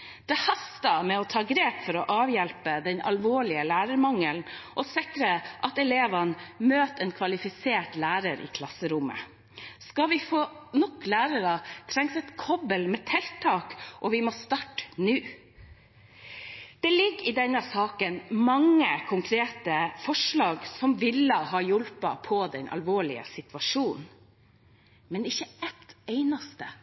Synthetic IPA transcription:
d̪̥ɛhɑst̪əmɛɔt̪ʰɑːɡɾeːpfɔɾɔʔɑːʋjɛlpəd̪ɛnɑlʋoːɭɪəlæːɾəɾmɑŋəlnʔɔsɪkɾəʔɑt̪ɛleːʋɑnmøːt̪ɛnkʰʋɑlɪfɪseːʈlæːɾəɾɪ̰ːkʰlɑsːəɾʊmə̰ | skɑʋɪfoːnɔklæːɾəɾɑt̪ʰɾɛŋsɛt̪kʰɔbəlmɛt̪ʰɛlt̪ʰːɑːkʔɔʋɪmɔst̪ɑʈːnʉː | d̪̥ɛlɪɡːɪd̪ɛnːəsɑːkənmɑŋːəkʰʊŋkʰɾeːt̪əfɔʂɭɑːɡsɔmʋɪlːəɦɑːjɔlpɑpʰɔd̪ɛnʔɑ̰lʋoːɭɪə̰sɪt̪ʋɑʂuːn | mɛnɪçːəɛt̪eɪnɑst̪ə

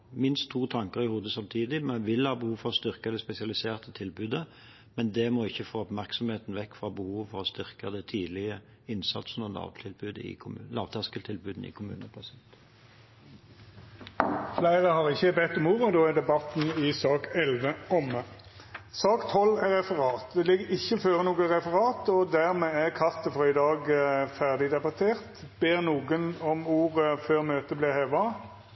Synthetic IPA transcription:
mɪnst̪ʰːuːt̪ʰɑŋkəʁɪhuːd̪əsɑmt̪ʰiːd̪ɪmɛnʋɪlhɑːbəhuːʋfɔʁɔst̪ʏʁkəd̪ɛspɛsɪɑlɪseːʁt̪ʰət̪ʰɪlbʉːd̪ə | mɛnd̪ɛmɔɪçːəfoːɔpmæʁksɔmheːt̪n̩ʋɛkːfʁɑbəhuːʋfɔʁɔst̪ʏʁkəd̪ɛt̪ʰiːd̪lɪə | ɪnsɑ̰t̪snɔlɑ̰ːʋt̪ʰɪlbʉːd̪əɪ̰lɑ̰ːʋt̪ʰɑskəlt̪ʰɪlbʉːd̪n̩ɪ̰kʰʊmʉ̰ːnəpʰɑsɪɛnt̪ | flæɪʁəhɑʁɪçːəbɛt̪ːɔmuːʁəd̪oːæd̪ɛbɑt̪nɪsɑːkɛlʋəɔmə | sɑːkt̪ʰɔlːɛʁɛfəʁɑːt̪d̪ɛlɪɡːəɾɪçːəføːʁənuːɡəʁɛfəʁɑːt̪ɔd̪æʁmeːæʁkʰɑʁt̪əfʁɔːɪd̪ɑːɡfæʁd̪ɪd̪ɛbɑt̪ʰeːʁt̪ | b̥eːʁnuːɡənɔmuːʁəføːʁmøːt̪əblɪʁheːʋɑ

